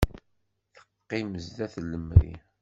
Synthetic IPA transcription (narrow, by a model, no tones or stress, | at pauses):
θə̥qːiməzt̪æθləmɾḭ